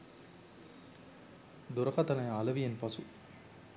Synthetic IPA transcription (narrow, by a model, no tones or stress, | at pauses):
d̪ʊɾɐɣɐt̪ɐnɐjalɐʋɪjɐnpɐsu